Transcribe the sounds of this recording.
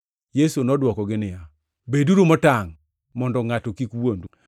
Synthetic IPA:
jesunɔdwɔkɔɡɪnɪja | beduɾumɔtaŋ | mɔndɔŋatɔkikwond

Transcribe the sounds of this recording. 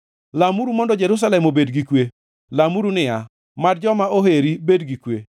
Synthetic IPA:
lamuɾumɔndɔd͡ʒeɾus̬alɛmobedɡikwe | lamuɾunɪja | madd͡ʒɔmaoɦeɾibedɡikwe

